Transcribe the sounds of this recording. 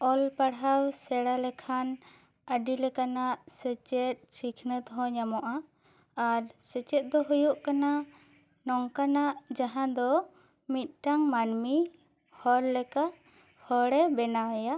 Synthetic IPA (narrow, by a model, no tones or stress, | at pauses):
ɔlpaɽɦawsɛɽalɛkʰan | əɖilɛkanaʔsɛt͡ʃɛt̪̚ˀsikʰnət̪ɦɔ̃ɲamɔʔa | aɾsɛt͡ʃɛt̪̚ˀd̪ɔɦujuʔkana | nɔŋkanaʔd͡ʒaɦãd̪ɔ | mit̪̚ˀʈaŋmanmi | hɔɾlɛka | hɔɽɛbɛnawaja